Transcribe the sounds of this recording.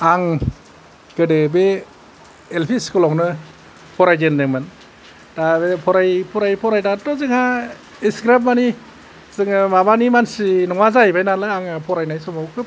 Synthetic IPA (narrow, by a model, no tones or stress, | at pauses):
aŋ | ɡ̥ɯdɯbe | elpʰiskɯlɔŋnɯ | pʰɔɾajdendɯŋmɯn | tabepʰɔɾajpʰɔɾajpʰɔɾajdatɔzɯŋha | isɡɾammani | zɯŋɯmabanimansinɔŋazajbajnalaaŋpʰɔɾajnajsɔmawkʰɯ